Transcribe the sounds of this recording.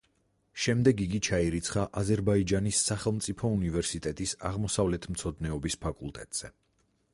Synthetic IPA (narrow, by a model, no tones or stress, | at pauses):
ʃɛmd̪ɛɡiɡit͡ʃʰaiɾit̪sʰχaʔazɛɾbaid͡ʒanisːaχɛlˠmt̪sʼipʰɔunivɛɾsit̪ʼɛt̪ʼisa̰ʁmɔsavlɛt̪ʰmt̪sʰɔd̪nɛɔbispʰakʼṵlˠt̪ʼɛt̪ʼz̥ɛ